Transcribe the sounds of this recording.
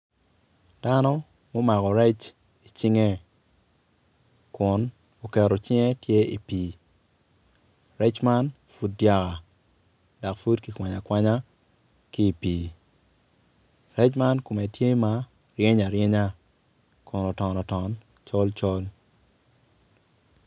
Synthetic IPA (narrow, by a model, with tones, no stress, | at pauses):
d̥a˦nɔ˦ | mo˦ma˨kɔ˨ɾɛ˦t͡ʃ | i˨t͡ʃi˦ŋe˦ | kʊ˨n | o˨kɛ˨ɾɔ˨t͡ʃɪ˦ŋe˦tje˦ḭ˨piː˨ | rɛ˦t͡ʃma˦n | fu˦t̚dja˦ka˨ | da˨kfu˦dki˦kwa˨ɲa˨kwa˦ɲa˦ | ki˦i˨piː˨ | rɛ˦t͡ʃma˦nko˨mɛ˨tje˦ma˦ | rje˦ɲa˨ɾje˦ɲa˦ | kʊ˨nɔ˨tɔ˨nɔ˨tɔ˨nt͡ʃɔ˦lt͡ʃɔ˦l